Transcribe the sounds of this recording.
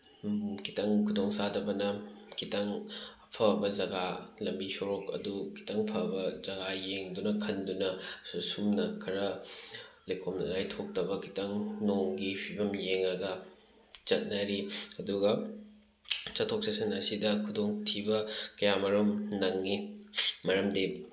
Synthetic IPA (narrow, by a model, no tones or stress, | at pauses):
kʰi̥tɐŋkʰudoŋsadɐbɐnɐkʰitaŋ | pʰɐbɐzɐɡalɐmbisoɾokɐ̰dukʰi̥taŋpʰɐbɐzɐɡajeŋdunɐkʰɐndunɐsumnɐkʰɐɾɐ | lekʰomlajtʰok̚tɐbɐkʰitaŋnoŋɡipʰibɐmjeŋɐɡɐ | t͡ʃɐt̚naɾiɐduɡɐ | t͡ʃɐtʰːok̚sɐsɐnɐsidɐkʰudoŋtʰibɐkɐjamɐɾumnɐŋːimɐɾɐmdi